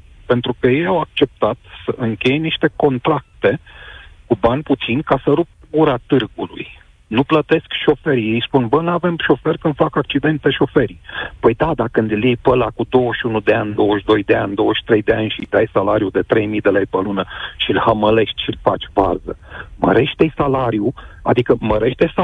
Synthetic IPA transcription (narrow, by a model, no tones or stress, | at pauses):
pe̞nt̪ɾukəje̞jawak̚t͡ʃe̞p̚t̪at̪səʔɨŋkʲe̞jeniʃt̪e̞ko̞nt̪ɾak̚t̪e̞kubanʲput̪sinʲkasəɾup̚ | ɡuɾat̪ɨrɡulṵj | nuplət̪e̞skʃo̞fe̞ɾijejspunbənave̞mʃo̞fe̞rʲkɨnd̪fakak̚t͡ʃid̪e̞nt̪e̞ʃo̞fe̞ɾipəjd̪ad̪akɨnd̪ɨljejpəlakud̪o̞wəʃunud̪e̞anʲd̪o̞wəʃd̪o̞jd̪e̞anʲd̪o̞wəʃi̥t̪ɾe̞jd̪e̞anʲʃijd̪ajsalaɾijud̪e̞t̪ɾe̞jmijd̪e̞lejpəlunəʃilhəməle̞ʃt̪ʲʃilfa̰t͡ʃʲva̰zəmə̰ɾe̞ʃt̪ejsalaɾjua̰d̪ikəməɾe̞ʃt̪esa